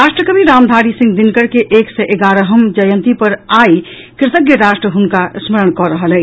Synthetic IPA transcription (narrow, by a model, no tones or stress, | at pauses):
ɾaːʃʈɾəkəbiɾaːmd̪ʱaːɾisɪ̃ŋɡd̪ɪnkəɾkeʔeːksɛʔeɡaːɾəɦəmd͡ʒəjə̃nt̪ipəɾaːi | kɾɪt̪əɡjəɾaːʃʈɾəɦʊnkasməɾəɽ̃kɔɾəɦəlɛː